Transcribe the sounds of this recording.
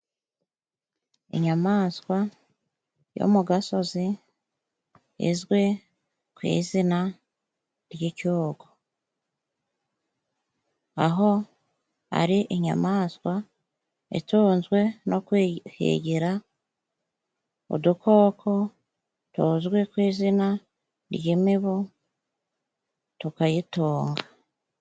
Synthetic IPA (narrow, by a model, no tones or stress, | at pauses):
ḭɲamaːskwa | jo̰muɡaso̞zi | ḭzɡwe̞ | kwḭːzina | ɾjicuːɡo | aɦo | a̰ɾiʔiɲa̰maːswa | ḭtoːnzwe̞nʔo̞kwhḛɟiɾa | o̰d̪ukʰo̞ːkʰo̞ | tozɡwe̞kwiːzina | ɾjimiβo | tukajitoːŋɡa